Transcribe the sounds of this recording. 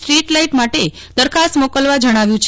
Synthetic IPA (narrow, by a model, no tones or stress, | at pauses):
ʈɾiʈlaiʈmaʈe | d̪əɾkʰast̪mokəlʋad͡ʒəɽ̃aʋjũt͡ʃʰ